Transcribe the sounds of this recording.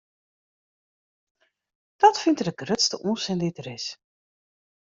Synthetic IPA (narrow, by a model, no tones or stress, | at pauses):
d̥ɔtfɪntdəɡrøtstəʔunsɪndɪtrɪs